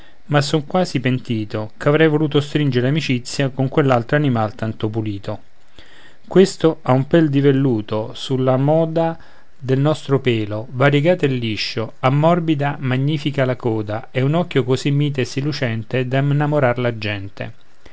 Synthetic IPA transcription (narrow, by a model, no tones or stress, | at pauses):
masːoŋkwaːzipent̪iːt̪okavɾɛjvoluːt̪ost̪ɾind͡ʒeɾeamit͡ʃit̪sːjakoŋkwelːalt̪ɾoanimalt̪ant̪opuliːt̪o | kwest̪oaumpɛld̪ivelːuːt̪osulːamɔːd̪a | d̪elnɔst̪ɾopɛːlovaɾjeɡaːt̪ilːiʃːoamːɔrbid̪amaɲːiːfikalakɔːd̪aɛunɔkːjokozimːiːt̪esːilːut͡ʃɛnt̪ed̪amnːamoɾarlad͡ʒːɛnt̪ḛ